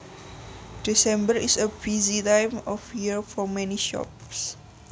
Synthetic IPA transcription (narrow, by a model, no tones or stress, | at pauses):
d̥isɛ̃mbəisəbizitãjmɔfjiəɹfɔmɛ̃niʃɔ̰ps